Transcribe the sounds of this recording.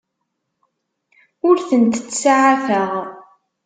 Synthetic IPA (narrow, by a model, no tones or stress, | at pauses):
ʊɾθənt̪t͡sːsaʕaθəʁ